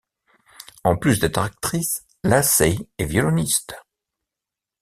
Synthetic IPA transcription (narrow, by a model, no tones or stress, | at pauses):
ɑ̃plysd̪ɛt̪χak̚t̪χis | lasɛɛvjɔlɔnist̪